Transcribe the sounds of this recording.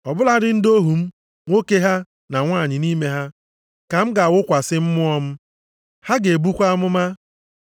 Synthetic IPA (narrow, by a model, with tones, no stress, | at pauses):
ɔ˨bʊ˦la˦dɪ˦n̩˦do˦ɦu˨m̩˦ | ŋʷo˦ke˦ɦa˦ | na˨ŋʷa˦˨ɲɪ˨ni˦me˦ɦa˦ | ka˨m̩˦ɡa˨wʊ˦kʷa˨sɪ˦m̩˦mʊ˦ɔ˦m̩˦ | ha˦ɡe˨bu˦kʷa˦mʊ˦ma˦